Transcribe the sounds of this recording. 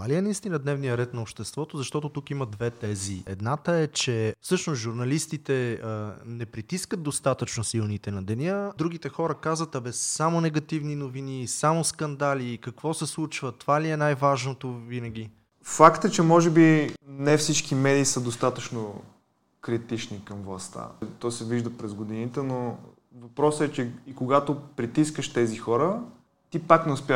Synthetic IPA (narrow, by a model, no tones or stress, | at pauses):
aliɛnɐist̪inəd̪nɛvnijəɾɛt̪nɐopʃt̪ɛst̪vɔt̪ozɐʃt̪ɔt̪ot̪ukimɐd̪vɛt̪ɛziɛ̰d̪nat̪əɛt͡ʃɛfsɤʃnosʒuɾnɐlist̪it̪ɛ | nɛpɾit̪iskəd̪ost̪at̪ət͡ʃnosilˠnit̪ɛnɐd̪ɛnʲəd̪ɾuɡ̟it̪ɛxɔɾəkazvət̪ɐbɛsːamonɛɡɐt̪ivninovinisamoskɐnd̪alikɐkvɔsɛslˠut͡ʃvət̪ovaliɛnajvaʒnot̪ovinɐɡʲi | fakt̪ət͡ʃɛmɔʒɛbinɛfsit͡ʃkimɛd̪iːsəd̪ost̪at̪ət͡ʃno | kɾit̪it͡ʃnikɐmvlˠɐ̰st̪a̰t̪ɔsɛviʒd̪əpɾɛzɡod̪init̪ɛno | vɐpɾɔsɛt͡ʃɛikoɡat̪opɾit̪iskəʃt̪ɛzixɔɾə | t̪ipaknɛʊspʲa